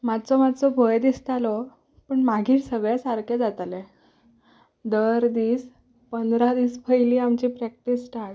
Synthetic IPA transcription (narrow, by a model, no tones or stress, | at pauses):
mad̪t͡sɔmad̪t͡sɔbʱəjd̪ist̪alɔ | pəɳmaɡʱiːɾsəɡɭasaɾkʰed͡zat̪ale | d̪əɾd̪iːs | pənd̪ɾad̪iːspʰəjliːamt͡ɕiːpɾɛk̚ʈisʈʰaɽ